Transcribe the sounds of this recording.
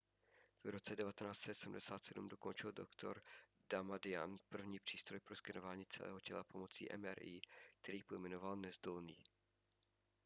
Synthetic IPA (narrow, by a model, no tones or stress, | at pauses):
v̥ɾo̞t͡sɛdɛvat̪ɛnaːst͡sɛt̪sɛm̩dɛsaːt̪sɛdumdo̞ko̞nt͡ʃɪldo̰kt̪ʰo̞̰ɾ | d̥amadɪja̰npr̩vɲiːpr̝̥iːst̪ɾo̞jpɾo̞skɪnovaːɲiːt͡sɛ̰lʔɛ̰ːɦo̞cɛlapo̞mo̞t͡sḭːʔɛ̰mɛ̰ɾʔiːk̚t̪ʰɛɾiːpo̞jmɛno̞valnɛzdolniː